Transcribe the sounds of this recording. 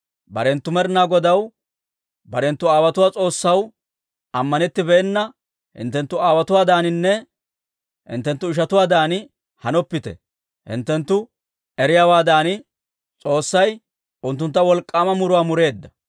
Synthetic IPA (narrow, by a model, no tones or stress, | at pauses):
bɐ̰ɾɛnt̪ːʊmɛɾnaːɡɔd̪ɐw | bɐɾɛnt̪ːʊaːwɐt̪ʊwaːt͡sʼo̞ːsːɐw | ɐmːɐnɛt̪ːɪbɛɛnːɐ | hɪ̰nt̪ːɛnt̪ːʊaːwɐt̪ʊwaːd̪aːnɪnːɛ | hɪ̰nt̪ːɛnt̪ːʊɪʃ̬ɐt̪ʊwaːd̪aːnɪ | hɐnɔpːɪt̪ɛ̰ | hɪ̰nt̪ːɛnt̪ːʊ | ɛɾɪjaːwaːd̪aːnɪ | t͡sʼo̞ːsːɐj | ʔʊnt̪ːʊnt̪ːɐwɔlkʼːaːmɐmʊɾʊwaːmʊɾe̞ːd̪ːɐ